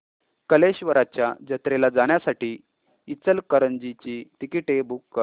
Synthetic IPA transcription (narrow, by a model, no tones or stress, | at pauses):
kəleɕʋəɾat͡ɕjad͡ʑət̪ɾelad͡zaɽ̃jasaʈiː | it͡səlkəɾənd͡ʑit͡ɕiːʈ̪ikiʈebukː